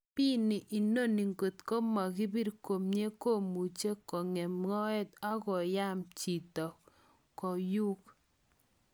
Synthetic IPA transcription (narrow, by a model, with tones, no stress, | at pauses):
pi˦nɪ˨ʔi˨no˦ni˨ŋɡo˨t̪ko˦ma˨kɪ˦bi˦ɾko˨mɲe˦ko˦mu˨t͡ʃe˦kɔ˨ŋɛ˨mŋɔ˦ɛ˦ta˦kɔ˨ja˦mt͡ʃi˨tɔ˨ | kɔ˨ju˦k